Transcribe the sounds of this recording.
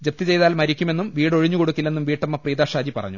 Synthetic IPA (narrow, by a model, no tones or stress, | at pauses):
d͡ʑep̚t̪it͡ɕe̞jðaːlmɐɾikʲːume̞nːumʋiːɽo̞ɻiɲːukoɽukʲːilːe̞nːumʋiːʈːɐmːɐpriːd̪ðaːʂaːd͡ʑipɐ̰rɐ̰ɲːu